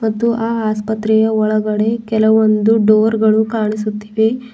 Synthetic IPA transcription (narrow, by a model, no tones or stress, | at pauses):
mɐt̪ːuʔaaspət̪ɾejɐʋɐɭɐɡɐɽekelɐʋɐnd̪uɖoɾɡɐɭukaɳ̃isut̪ːi̥ʋe